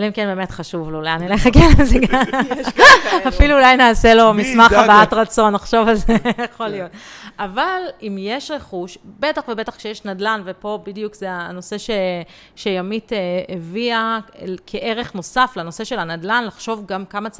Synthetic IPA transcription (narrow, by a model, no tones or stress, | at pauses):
valimkenbemetχaʃuvlleaneleχakenzeɡa | afiluːlajnaːse̞lo̞mismaχabaatʁat͡so̞nːaχʃo̞valzejaχo̞lijo̞t̚avalimjeʃʁe̞χuʃbe̞taχvebe̞taχkʃejeʃnadlanvepo̞bidjukzeano̞se̞ʃe | ʃejamiteeviakʰeʔeʁe̞χno̞saflano̞se̞ʃe̞lanadlanlaχʃo̞vɡamkamat͡s